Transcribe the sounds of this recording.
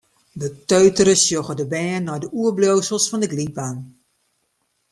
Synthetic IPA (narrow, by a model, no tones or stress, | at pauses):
dətøɥtəɾəsjoɣədəbɛːnːɔjdəuəbloːsəlˠsfɔndəɡliban